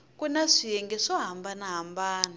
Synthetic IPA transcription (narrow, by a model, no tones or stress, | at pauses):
kunaʂijɛŋɡɛʂɔɦambanaɦambaːna